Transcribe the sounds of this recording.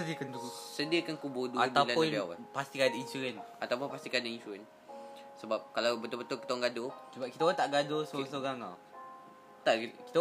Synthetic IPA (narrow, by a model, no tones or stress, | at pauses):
ədiəkant̪ukusədiəkankubʊduab̪ailanpʊnbiawa̰past̪ikadainsuɾɛn | at̪awpʊnpast̪ikadainsuɾɛn | səbap̚kalawbət̪ʊlbət̪ʊlki̥t̪awaŋɡadosəbap̚kit̪aoɾat̪aʔɡadosoɾaŋsoɾaŋa̰ | t̪aʔki̥t̪a